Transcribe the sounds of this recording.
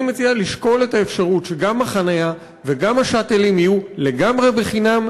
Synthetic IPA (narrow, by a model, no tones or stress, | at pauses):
met͡sialiʃko̞le̞taefʃaʁutʃeɡamaχanaja | ve̞ɡamaʃatelimijule̞ɡamʁe̞be̞χinam